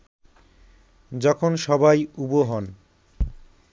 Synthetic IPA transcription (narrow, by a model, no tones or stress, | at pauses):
d͡ʑɔkʰonʃɔbajuboɦɔn